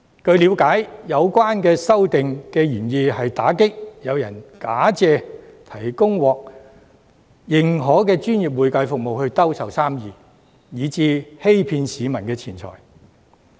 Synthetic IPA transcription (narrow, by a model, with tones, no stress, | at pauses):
kɵ˧ɥliː˨˧wkaː˨˥jjɐ˨˧wkʷwaː˥nkɛː˧sɐ˥wt̪ɪ˨ŋkɛː˧jyː˨˩njiː˧hɐ˨jt̪aː˨˥kɪ˥k̚jɐ˨˧wjɐ˨˩nkaː˨˥t͡sɛː˧t̪ʰɐ˨˩jkʊ˥ŋwɔː˨k̚ | jɪ˨ŋɦɔː˨˥kɛː˧t͡ʃyː˥nji˨p̬̚wuː˨˧jkɐ˨˧jfʊ˨k̚mo˨whɵ˧ɥt̪ɐ˥wsɐ˨wsaː˥mjiː˨˧ | jiː˨˧t͡siː˧he˥jpʰiː˧nsiː˨˧mɐ˨˩nkɛː˧t͡sʰiː˨˩nt͡sʰɔ̰ː˨˩j